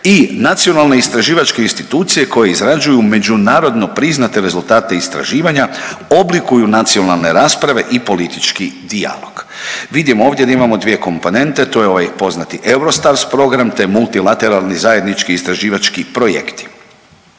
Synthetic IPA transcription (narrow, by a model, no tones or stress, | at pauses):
inat̪sijo̞nalˠne̞ist̪ɾaʒiːʋat͡ʃkeinst̪it̪uːt̪sije̞ko̞je̞izɾad͡ʒujume̞d͡ʒunaːɾo̞d̪no̞pɾiznat̪e̞ɾe̞zult̪aːt̪e̞ist̪ɾa̰ʒiːʋaɲaoblikujunat̪sio̞nalˠne̞ɾaːspɾaʋe̞ʔipo̞lit̪it͡ʃkid̪ia̰lo̞̰ɡ̥ʋid̪imoo̞ːʋvd̪jed̪aimamo̞d̪ʋije̞ko̞mpo̞ne̞nt̪e̞t̪ojeo̞ʋajpo̞znat̪iʔe̞wɾo̞st̪aɾspɾo̞ɡɾamt̪e̞mulˠt̪ilˠat̪e̞ɾalˠnizaje̞d̪nit͡ʃkiːst̪ɾaʒiːʋat͡ʃkipɾo̞jḛkt̪i̥